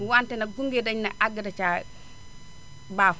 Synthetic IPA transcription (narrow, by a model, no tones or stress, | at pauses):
uwantɛnaɡuŋɡedaɲnaʔaɡadat͡ʃa | baf